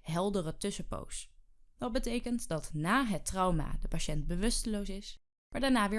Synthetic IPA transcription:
ɦɛlˠdərətɵsəpo̰wsd̥ɑt̚bətejkəntdɑtnaːɦətrɑwma̰ːdəpaʃɛnt̚bəʋɵstəlowsɪs | maːɹdaːɹnaːʋɪː

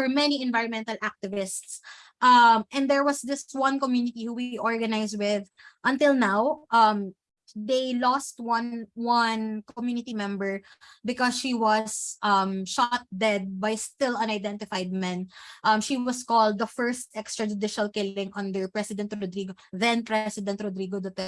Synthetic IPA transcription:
fɛɹmɛniɛ̃nvaɪɹɔ̃nmɛ̃nt̪ɐlʔak̚t̪ɪvɪst̪s | ʔɐmʔɛ̃nd̪ɛɹwʌsdɪswɐ̃nkɔmjunɪt̪ihuwiʔɔɹɡɐnaɪswɪð | ʔɐ̃nt̪ɪlˠnawʔɐm | d̪ejlɔst̪̚wɐ̃nwʌ̃nkɔmjunɪt̪imɛ̃mbɛɹ | bɪkɔsʃiwʌsʔʌmʃat̪̚d̪ɛd̪̚bajst̪ɪlɐ̃najd̪ɛ̃nt̪ɪfajd̪̚mɛ̃nʔɐmʃiwʌskɔld̪̚ːɐfɛɹst̪ʔɛkst̪ɹɐd͡ʒʊd̪ɪʃɐlkɪlɪ̃ŋʔɐ̃nd̪əɹpɹɛsɪd̪ɛ̃nt̪ɾɔd̪ɾiːɡoðɛ̃npɹɛsɪd̪ɛ̃nt̪ɾɔd̪ɾiɡod̪ɔt̪ɛ

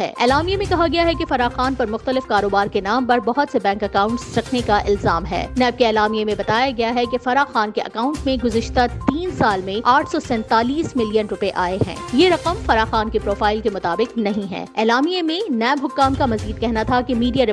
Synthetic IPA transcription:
ɛ̰ːɛ̰ːlaːmijemẽkɐɦaɡɐjaɦɛkefɐɾaːxaːnpɐɾmʊxt̪əlɪfkaːɾoːbaːɾkenaːmpɐɾbɐɦʊt̪sebɛ̃ːŋkɐkaːʊ̃ɳʈsɾɐkʰnekaʔɪlzaːmɦɛ̰ːnɛːb̚keɛːlaːmijemẽbɐt̪aːjaɡɐjaɦɛkefɐɾaːxaːnkeʔɐ̰kaːʊ̃ɳʈmẽɡʊzɪʃt̪at̪iːnsaːlmẽaːʈʰsɔsɛ̃ːnt̪aːliːsmɪlijənɾʊpeʔaːeɦɛ̰̃ːjeɾɐqəmfɐɾaːxaːnkepɾoːfaːɪlkemʊt̪aːbɪqnɐɦĩɦɛ̰̃ːɛːlaːmijemẽnɛːbɦʊkːaːmkamɐziːd̪̚kɛɦnat̪ʰakemiːɖijaɾɪ

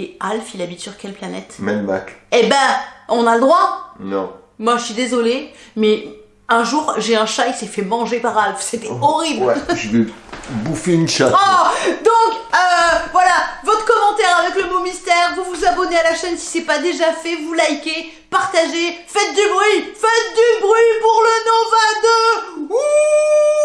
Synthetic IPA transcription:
ealfilabit̪syʁkʲɛlplanɛ̰t̪mɛlma̰kebɛ̃ɔ̃naləd̪ʁwanɔ̰̃ | mwaʒəsɥid̪ezɔlemɛ | ɛ̃ʒuʁʒeɛ̃ʃajsɛfɛmɑ̃ʒepaʁalfset̪ɛɔʁiblʒəvebufeynʃat̪ɔd̪ɔ̃køvwalavɔt̪χə̥kɔmɑ̃t̪ɛʁavɛkləmomist̪ɛʁvuvuzabɔnealaʃɛnsi̥sɛpad̪eʒafɛvulajkʲe | paʁt̪aʒefɛt̪̚d̪ybʁɥifɛt̪̚d̪ybʁɥipuʁlənɔ̃vãd̪øu

